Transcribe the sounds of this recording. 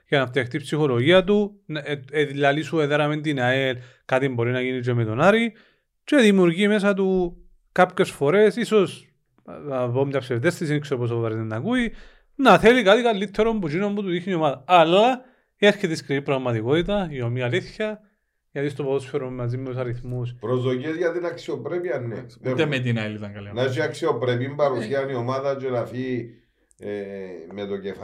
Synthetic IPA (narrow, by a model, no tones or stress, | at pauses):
ʝɐnɐft̪iɐxt̪ipsixo̞loʝiɐt̪̬uneðilːalisueðeɾɐment̪inael | kat̪imbo̞ɾinɐʝinid͡ʒ̬emet̪o̞naɾi | t͡ʃeðimiuɾʝiːmesɐt̪̬u | kapçe̞sfo̞ɾe̞siso̞s | vomt̪ɐpsevðest̪is̬inikseɾopos̬opopɐɾit̪enːɐkui | nɐθelikat̪ikalːit̪ʰːeɾombut͡ʃinombut̪ut̪içniomaðɐɐlːɐ | ieɾçiðiskɾinipɾɐɣmɐt̪ikot̪it̪̬ɐiomiɐliθçɐ | ʝɐt̪ist̪opoðosfeɾummːɐzimːeus̬aɾiθmuspɾozðociezʝɐt̪inɐksiopɾepiɐnːḛemet̪inalit̪ɐŋɡɐlinat͡ʃiaksiopɾep̬imbɐɾusiɐniomaðɐt͡ʃonafi | emet̪ocef